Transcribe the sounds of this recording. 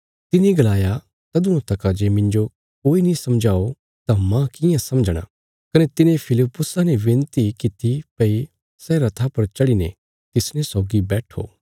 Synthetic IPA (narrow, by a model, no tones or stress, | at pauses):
t̪ɪniɡɐlaːja | t̪ɐd̪ʊõt̪ɐkad͡ʒemɪ̃nd͡ʒo | koːinĩsɐmd͡ʒaːo | t̪amãkɪjãsɐmd͡ʒɽ̃ã̰ | kɐnet̪ɪnẽpʰɪlɪpːʊsaneʋẽnt̪ikɪt̪ʰːipɐi | sɛɾɐt̪ʰapɐɾt͡ʃɐɽinḛ | t̪ɪsnɛsɔːɡibɛːʈʰo̰ː